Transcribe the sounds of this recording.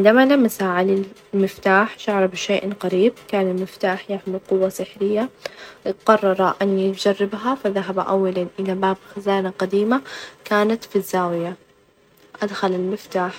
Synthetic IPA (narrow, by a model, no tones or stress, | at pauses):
ʕɪnd̪amalamːasaʕalil | mɪft̪aːħʃaʕɾˤɑbʃaːʔqɑɾiːb̚kaːnɪlmɪft̪aːħjaʕmiqʊwːasɪħɾɪjːa | qɑrˤːɑɾˤɑʔɪnːid͡ʒɑrˤːɪbɦafaðaɦabaʔa̰wːalanʔɪlabaːbxazaːnaqad̪iːmakaːnat̪fizːaːwɪja | ʔad̪xalalmɪft̪aːħ